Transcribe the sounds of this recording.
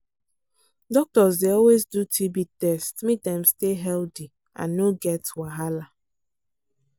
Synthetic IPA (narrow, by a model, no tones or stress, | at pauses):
dɔk̚tɔz̬deɔlwezdutʰibitɛstmitãmsteɦɛlti | ã̰nːoɡɛtwaɦala